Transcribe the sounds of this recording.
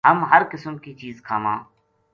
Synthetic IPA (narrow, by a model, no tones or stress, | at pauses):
ɦəmɦəɾkɪsəmkiːt͡ʃiːzkʰaːmãː